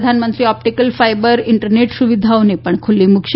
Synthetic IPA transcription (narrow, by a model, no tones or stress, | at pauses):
d̪ʱanmənt̪ɾiːɔp̚ʈikəlfajbəɾiɳʈəɾneʈsuʋid̪ʱawnepəɳkʰulːimukɕ